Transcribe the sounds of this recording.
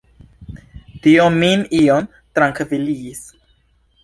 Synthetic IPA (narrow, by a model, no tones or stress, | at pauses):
tiominion | t̪ɾaŋkviliːs